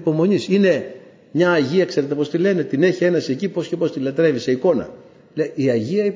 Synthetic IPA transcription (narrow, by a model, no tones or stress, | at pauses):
po̞mo̞ɲisine̞ | mɲɐːʝiɐkse̞ɾet̪epo̞st̪ile̞ne̞t̪ine̞çie̞nɐsiecipo̞sce̞po̞st̪ilɐt̪ɾe̞vise̞iko̞nɐ̰ | leiɐʝiɐi